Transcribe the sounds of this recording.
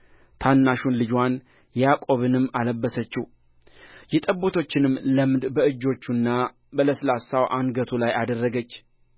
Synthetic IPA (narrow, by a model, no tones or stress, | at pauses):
t̪ʰanːaʃunlɨd͡ʒwan | jakʼo̞βɨnɨmːaləbːəsət͡ʃːih | jɛt̪ʼəbːo̞t̪ʰo̞t͡ʃːɪnɨmləmd̪bəɨd͡ʒːo̞t͡ʃːunːa | bələsɨlasawʔanɡət̪ʰulajad̪ərːəɡət͡ʃː